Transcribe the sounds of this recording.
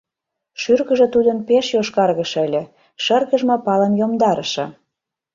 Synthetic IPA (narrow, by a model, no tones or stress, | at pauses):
ʃyrɣə̆ʒə̆t̪ud̪ənpeʃjoʃkɑrɣə̆ʃəlʲĕ | ʃərɣə̆ʒmɤpɑlə̆njomd̪ɑɾəʃɤ̰̆